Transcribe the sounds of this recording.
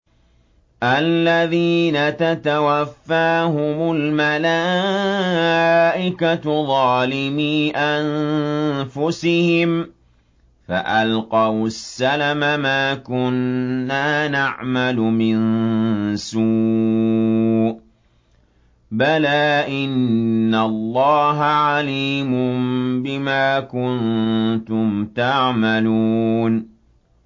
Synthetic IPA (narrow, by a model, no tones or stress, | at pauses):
ʔalːaðiːnat̪at̪awafːaːɦʊmʊlmalaː | ʔɪkat̪ðˤɑːlɪmiːʔan | fʊsɪhɪm | fa̰ʔalqɑwsːalamamaːkʊnːaːnaʕmalʊmɪn | suː | balaːʔɪnːalːɑːɦaʕaliːmʊmbɪmaːkʊnt̪ʊmt̪aʕmaluːn